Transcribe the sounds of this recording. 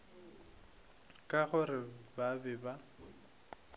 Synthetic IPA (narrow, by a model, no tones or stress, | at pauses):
kʼaɣʊrɪbabɪba